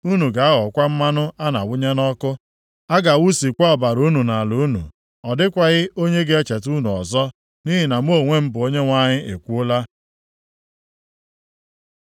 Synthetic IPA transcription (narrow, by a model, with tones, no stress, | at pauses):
u˦nu˨ɡa˨a˦ɣɔ˨kʷa˦m̩˦ma˦nʊ˦a˦na˨wʊ˦ɲe˦nɔ˦kʊ˦ | a˦ɡa˨wu˦si˨kʷa˦ɔ˨ba˨ɾu˦nu˨na˨lu˨˦nṵ˨ | ɔ˨dɪ˦kʷa˨ɣɪ˦o˦ɲe˦ɡe˦e˦t͡ʃe˨tu˦nu˨ɔ̰˨zɔ˦ | ni˦ɦi˨na˨m˦o˦˨ŋʷe˦m̩˦bʊ˨o˦ɲe˦ŋʷa˦ɲɪ˦e˨kʷu˦ʊ˦la˦